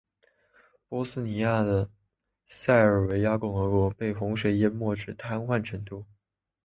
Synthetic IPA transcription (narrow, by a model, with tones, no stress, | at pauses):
pwɔ˥sɹ̩˥ni˧˥ja˥˩d̪ə˩ | sa˥˩ɪə˞˨˩we˧˥ɪja˥kʊ˥˩ŋxɤ˧˥kwɔ˧˥pe˥˩ɪxʊ˧˥ŋɕɥɛ˧˥jɛ˥mwɔ˥˩ʈ͡ʂɻ̩˥˩t̪ʰa˥nxwa˥˩nʈ͡ʂʰɤ˧˥ŋt̪u˥˩